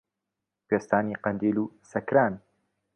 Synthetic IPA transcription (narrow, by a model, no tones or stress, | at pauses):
peːst̪aːniːqɐnd̪iːluːsɐkɾaːn